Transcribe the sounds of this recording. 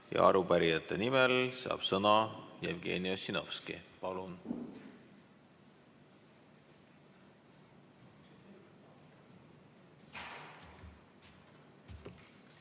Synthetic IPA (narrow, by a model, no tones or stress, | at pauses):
jɑ̰ɑɾupæɾijɑt̪ːˑenimelsɑ̰ːb̥sɤnɑjevɡe̞̰ːniosino̞fskḭpɑlun